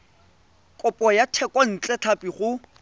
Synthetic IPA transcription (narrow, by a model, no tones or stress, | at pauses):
kʼʊpʼɔjatʰɛkʼwɔn̩t͡ɬʼɛt͡ɬʰapʼiχʊ